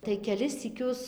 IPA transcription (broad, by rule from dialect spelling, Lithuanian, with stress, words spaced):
tɐɪ kʲɛˈlʲɪs sʲiːˈkʲʊs